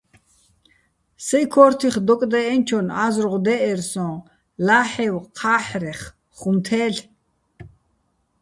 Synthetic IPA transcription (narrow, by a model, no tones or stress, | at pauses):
sɛjkʰɔːɾt̪ʰiχd̪ɔkʼd̪ɛɛnt͡ʃʰɔnazrʁd̪ɛʔɛɾsɔ̃ː | laːħɛwqʰaːħɾɛχ | χumt̪ʰɛːɬ